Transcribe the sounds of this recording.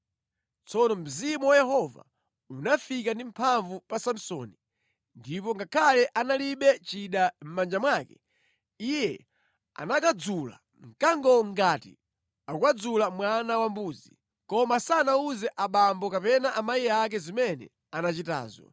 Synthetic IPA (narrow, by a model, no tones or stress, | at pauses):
t͡sɔnɔm̩zimuwajɛhɔva̰ | unafikandim̩pʰaɱvupasam̩sɔ̰ni | ndip̬ɔŋɡakʰalɛʔanaliɓɛt͡ʃiɗam̩mand͡ʒamwakɛ̥ | ijɛ | a̰nakad͡zula̰ | ŋ̩kaŋɡɔŋɡatḭ | akwad͡zulamwanawambuːd͡zi | kɔmasanauzɛʔaɓambɔkapɛnaʔamajiak̬ɛzimɛnɛ̰ | anat͡ʃita̰ːzɔ̰